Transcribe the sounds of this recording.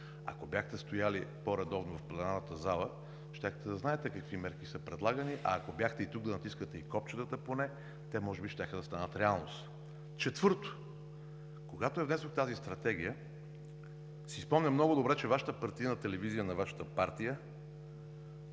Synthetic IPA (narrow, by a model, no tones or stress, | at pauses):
ɐ̰kobjaxt̪ɛst̪ojalipoɾɐd̪ɔvnovɐfplɛnanət̪əzalˠə | ʃt̪ʲaxt̪ɛd̪ɐznaɛt̪ɛkɐkvimɛɾkisəpɾɛd̪lˠaɡəniʔɐːkobjaxt̪ɛit̪uɡ̚d̪ɐnɐt̪iskət̪ɛikɔp̚t͡ʃət̪ət̪əponɛ | t̪ɛmɔʒɛbiʃt̪ʲaxəd̪ɐst̪anət̪ɾɛalˠno̰st̪ | t͡ʃɛt̪v̥ɤɾt̪o̥ | koɡat̪oɛvnɛsoxt̪azist̪ɾɐt̪ɛɡ̟ijə | sispɔmnʲɐmnɔɡʊd̪obɾɛt͡ʃɛvaʃə̥t̪əpɐɾt̪ijənət̪ɛlɛvizijənɐvaʃə̥t̪əpaɾt̪ijə